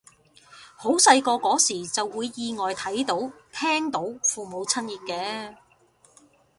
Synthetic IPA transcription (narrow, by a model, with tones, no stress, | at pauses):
ho˨˥wsɐ˧jkɔː˧kɔː˨˥siː˨˩t͡sɐ˨wːuː˨˧jːiː˨˧ŋɔː˨jt̪ʰɐ˨˥jt̪o˨˥wt̪ʰɛː˥ŋt̪o˨˥wfuː˨mo˨˧wt͡sʰɐ˥njiː˨t̚kɛː˧